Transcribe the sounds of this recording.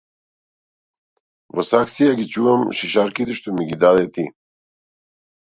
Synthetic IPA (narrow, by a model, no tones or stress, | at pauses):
vosaksijaɡit͡ʃuɐmʃiʃaɾkit̪iʃt̪omiɡid̪ad̪ɛt̪i